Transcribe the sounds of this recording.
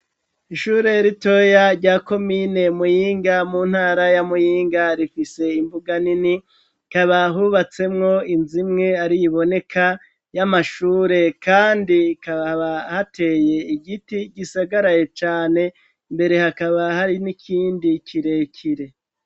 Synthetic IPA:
iʃuːɾe̞ɾito̞jaɾɟaːko̞mine̞mujiːŋɡamun̥haːɾajamujiːŋɡaɾifise̞imbuɡanini | kaβaɦuβat͡se̞mŋo̞inzimŋe̞aɾijiβo̞ne̞kʰa | jamaʃuːɾe̞kaːndikaβaβahate̞ːje̞iɡitiɟisaɡaɾajet͡ʃaːne̞ | mbe̞ɾe̞hakaβahaɾinikʰiːndikʰiɾe̞cʰiɾe̞

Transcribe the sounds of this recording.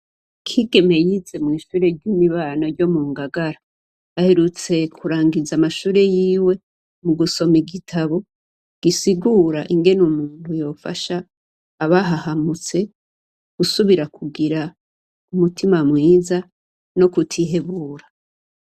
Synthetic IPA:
kʰiɡe̞me̞jize̞mŋiːʃuːɾe̞ɾɟumiβaːnaɾɟo̞muːŋɡaɡaɾaː | he̞ɾut͡se̞kʰuɾaːŋɡizamaʃuːɾe̞jiːwe̞ | muɡuso̞miɡitʰaβo̞ | ɡ̥isiɡuɾaʔiŋɡe̞numuːntujo̞ːfa̰ʃaː | βaɦahamut͡se̞ | ɡ̥usuβiɾakʰuɡiɾa | umutʰimamŋiːza | no̞kutʰiɦe̞βuːɾa

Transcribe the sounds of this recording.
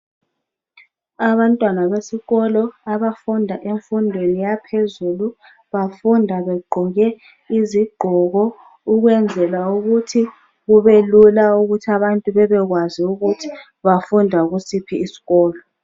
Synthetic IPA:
aβantʼwanaβesiɣɔlɔaβafundʱaʔeɱfundʱwenijapʰezulu | βafundʱaβɛɡ͡ǃʱɔɣɛ | iziɡ͡ǃʱɔɣɔ | uɣwɛnd͡zʱɛlauɣutʰi | ɣuβelulauɣutʰiaβantʼuβɛβɛɣwaziuɣutʰi̥ | βafundʱaɣusipʰiːsi̥ɣɔːlɔ

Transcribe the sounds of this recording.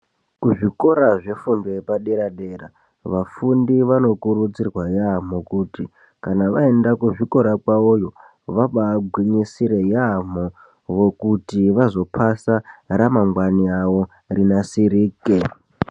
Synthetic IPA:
kuʐiko̞ɾaʐe̞fundoepaɗeɾaɗe̞ra | ʋafundiʋano̞kurud͡zirwajam̤okuti | kanaʋae̞ndakuʐiko̞ɾakwaojo̞ | ʋaɓaɡʱwiɲisiɾe̞jam̤o | ʋo̞kutiʋazo̞pʰasaramaŋɡwaniaʋo̞ | rinasiɾiːke

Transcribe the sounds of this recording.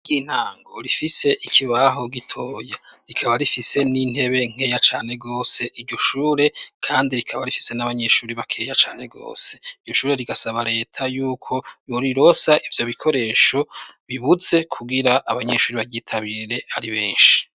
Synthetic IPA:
ɡiːn̥haːŋɡo̞ɾifise̞ʔikʰiβaɦo̞ɡitʰo̞ːja | ɾikʰaβaɾifise̞nin̥he̞βe̞ŋ̥he̞jat͡ʃaːne̞ɡo̞ːse̞ʔiɟoʃuːɾe̞kʰaːndiɾikʰaβaɾifi̥se̞naβaɲe̞ʃuːɾiβakʰe̞ːjat͡ʃaːn̥e̞ɡo̞̰ːse̞iɟɟoʃuːɾe̞ɾiɡasaβaɾe̞ːtʰajuːkʰo̞joɾiɾo̞saʔivjo̞βikʰo̞ɾe̞ːʃo̞βiβuze̞kʰuɡiɾaʔːβaɲe̞ʃuːɾiβaɟiːtʰaβiɾe̞aɾiβeːnʃi̥

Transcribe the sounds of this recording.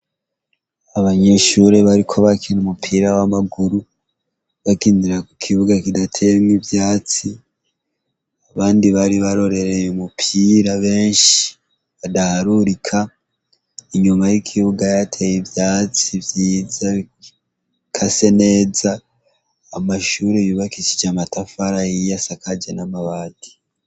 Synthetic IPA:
aβaɲe̞ʃuɾe̞βaɾikʰo̞βakʰenumupʰiːɾawamaɡuɾu | βakiːndiɾakukʰiβuɡakidatʰemŋivjaːt͡si | aβaːndiβaɾiβaɾo̞ɾe̞ɾejumupʰiːɾaβe̞ːnʃi̥ | βadahaɾuɾikʰa | iɲumajikʰiβuɡajatʰejivjaːt͡sivjiːza | kʰase̞ne̞ːzaː | maʃuɾejuːβakit͡ʃid͡ʒamatafaɾajijasakʰad͡ʒenamaβaːdi̥

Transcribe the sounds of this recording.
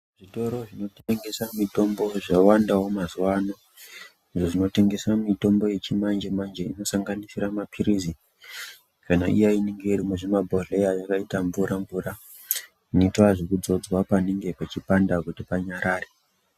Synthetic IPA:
ʐ̥ito̞ɾo̞ʐino̞tŋɡe̞samito̞mbo̞ʐawandaɦwomazuwano | iʐoʐino̞te̞ŋɡe̞samito̞mbo̞je̞t͡ʃimand͡ʒemand͡ʒeino̞saŋɡanisiramapʰiɾizi | kana̰ʔḭjaineŋɡeirimweʐimabʱoɮe̞jajakaitaɱvuɾaɱvura | nitoaʐekud͡zo̞d͡zwapaneŋɡe̞pat͡ʃipandakutipaɲaɾaːre

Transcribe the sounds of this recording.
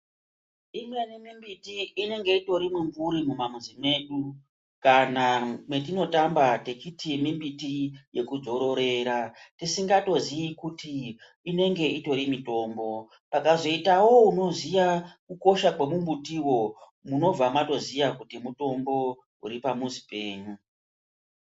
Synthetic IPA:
imienimimbitiːne̞ŋɡe̞ito̞ɾimiɱvuɾimumamuzime̞ɗu | kanamwet̬ino̞tambate̞kitimimbitije̞kud͡zo̞ɾo̞ɾe̞ːɾatisiŋɡato̞ziikutiː | ne̞ŋɡe̞ito̞ɾimito̞ːmbo̞ | pakazo̞itawo̞uno̞zijakuko̞ʃakwe̞mumbutiwo̞ | muno̞b͡vamato̞zijakutimuto̞mbo̞ | ṵɾipamuzipe̞ːɲu

